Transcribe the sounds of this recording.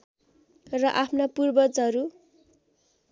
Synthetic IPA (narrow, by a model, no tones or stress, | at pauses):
rʌʔapʰnapurbʌt͡sʌɾu